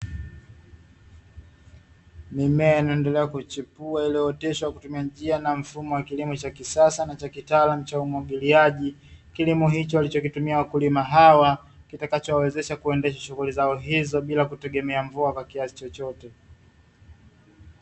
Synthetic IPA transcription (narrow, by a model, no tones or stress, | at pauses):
mimɛainaɛndɛlɛakut͡ʃipuailɛɔtɛʃɔwakutumiad͡ʒianam̩fumɔwakilimɔt͡ʃakisasanat͡ʃakitaːlam̩t͡ʃaumwaɠiliaʄikilimɔɦit͡ʃɔwalit͡ʃɔkitumiawakulimaɦawa | kitakat͡ʃɔwawɛzɛʃakuɛndɛʃaʃuɣulizaɔɦizɔɓilakutɛɠɛmɛaɱvuakwakiasi̥t͡ʃɔt͡ʃɔtɛ